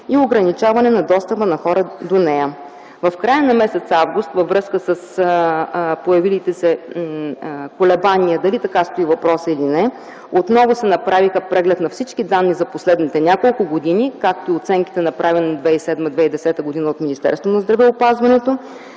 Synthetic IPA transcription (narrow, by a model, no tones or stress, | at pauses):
ioɡɾɐnit͡ʃavɐnɛnɐd̪ɔst̪əpənɐxɔɾəd̪onɛjə | vɐfkɾajənɐmɛsɛt̪savɡʊst̪vɐvɾɤskəsəs | pojɐvilit̪ɛsɛ | kolɛbanijəd̪ɐlit̪ɐkast̪oivɐpɾɔsəilinɛ | ot̪nɔvʊsɛnɐpɾavixəpɾɛɡlɛt̪nɐfsit͡ʃkid̪anːizɐposlɛd̪nit̪ɛnʲakolˠkʊɡod̪inikak̚t̪oiot̪sɛŋki̥t̪ɛnɐpɾʔavʲɛnɛd̪vɛisɛd̪məd̪vɛid̪ɛsɛt̪əɡod̪inəot̪minist̪ɛ̰ɾst̪vonɐzd̪ɾɐvɛopazvɐnɛt̪o